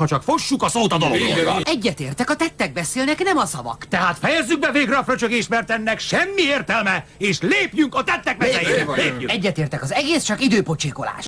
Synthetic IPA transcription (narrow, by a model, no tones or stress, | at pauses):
ɒt͡ʃɒkfo̞ʃːukɒsoːt̪ɒd̪ɒloɛɟːɛt̪eːrt̪ɛkɒt̪ɛt̪ːɛɡ̚bɛseːlnɛknɛmɒsɒvɒ̰kt̪ɛɦaːt̪fɛjɛzːyɡ̚bɛveːɡrɒfrøt͡ʃøɡeːʃt̪mɛrt̪ɛnːɛkʃɛmːieːrt̪ɛlmɛeːʃleːpjyŋkɒt̪ɛt̪ːɛkmɛsɛjiːleːɛɟːɛt̪eːrt̪ɛkɒzɛɡeːst͡ʃɒkid̪øːpo̞t͡ʃiːko̞la̰ːʃt̪